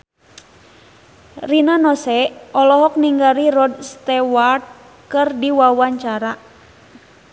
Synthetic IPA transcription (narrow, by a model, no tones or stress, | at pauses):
rinanɔsɛɔlɔɦɔk̚niŋɡaɾirɔdst̪ɛwart̪̚ | kɨrdiwawaɲt͡ʃaɾa